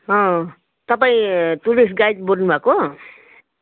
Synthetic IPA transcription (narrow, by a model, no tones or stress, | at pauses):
ɦʌ̃ | t̪ʌpaĩt̪ulisɡajt̪boɾnubʱako